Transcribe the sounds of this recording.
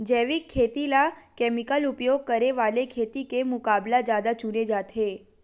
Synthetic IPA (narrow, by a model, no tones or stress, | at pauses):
d͡ʒɛʋikʰːet̪ilakɛmikəlupjoɡ̚kəɾeʋalekʰet̪ikemʊkablad͡ʒjad̪at͡ʃuned͡ʒat̪ʰe